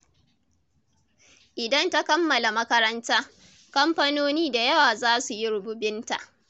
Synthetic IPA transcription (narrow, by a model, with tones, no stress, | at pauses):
ʔɪ˨dɐ˦nta˦kɐ˦mːɐ˨la˨mɐ˦kɐ˦ɾɐ˦ntaː˦ | kɐ˦mɸɐ˦noː˦niː˦da˨jɐ˦waː˨zaː˦su˨ji˦ɾʊ˨bʊ˦bɪ˦nta˨ʔ